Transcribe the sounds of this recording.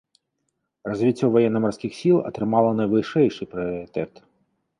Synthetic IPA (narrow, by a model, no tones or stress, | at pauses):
rɔzʲʋʲit͡sʲɔwʋɔjɛnːɐmɐrsʲkʲɪxsʲilˠɔ̰t̪ɾɪmɑlˠɐnɐjʋɪʃɛjʃɪjpɾɪɔɾɪt̪ɛt̪